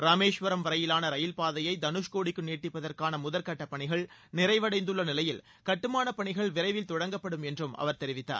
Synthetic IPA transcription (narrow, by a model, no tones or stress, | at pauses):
ɾaːmeːʂʋɐɾɐmʋɐɾɐjɪlaːnɐɾɐjɪlpaːðɐjɐɪd̪ɐnɯʂkoːɽɪkːɯneːʈːɪpːɐðɐrkaːnɐmʊðɐlkɐʈːɐpːɐɳɪɣɐɭnɪɾɐɪʋɐɽɐɪnd̪ɯɭːɐnɪlɐjɪl | kɐʈːɯmaːnɐpɐɳɪɣɐɭʋɪɾɐɪʋɪlt̪ɔɽɐŋɡɐpːɐɽɯmɛndrɯmɐ̰ʋɐɾt̪ɛɾɪʋɪt̪ːa̰ːɾ